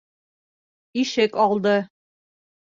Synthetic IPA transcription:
iʃɘkɒlˠd̪ɤ

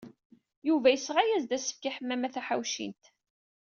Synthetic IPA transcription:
juvæjəsːʁajæzd̪æsə̥fkaħəmːæmæθæħawʃḭnt̪

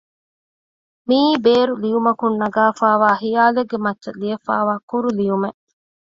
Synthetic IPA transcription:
miːbeːɾulijumɐkunːɐɡaːfaːʋaːhijaːleɡːemɐtːʃɐlijɐfa̰ːʋaːkuɾulijumeʔ

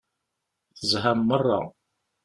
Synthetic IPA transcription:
θəzˤɦamːərˤːɑ̰

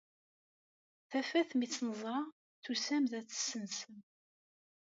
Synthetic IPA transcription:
θæfæθmit͡sːnəzˤɾˤɑ | θusæmðæt͡sːə̥sːənsəm

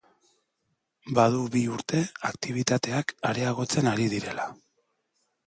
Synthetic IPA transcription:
bað̞uβiuɾt̪e̞akt̪iβ̞it̪at̪e̞akaɾe̞aɣ̞o̞t͡se̞naɾið̞iɾe̞la

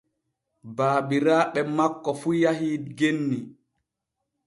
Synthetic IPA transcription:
baːbiɾaːɓɛmakːɔfujaɦiːdɡenːi

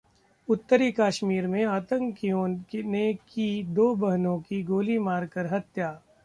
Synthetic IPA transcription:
ʊt̪ːəɾikaːʃmiːɾmẽaːt̪ə̃ŋkijõːnekid̪oːbɐɦnõkiɡoːlimaːɾkɐɾɦɐt̪jaː

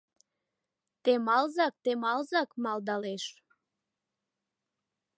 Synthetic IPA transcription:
t̪emɑlzɑk̚t̪emɑlzɑkmɑld̪ɑleʃ

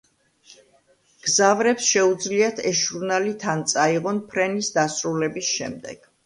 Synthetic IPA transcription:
ɡ̥zavɾɛpsʃɛud̪zliat̪ʰɛsʒuɾnalit̪ʰant̪sʼaiʁɔnpʰɾɛnisd̪asɾulɛbisʃɛ̰md̪ɛ̰ɡ̥

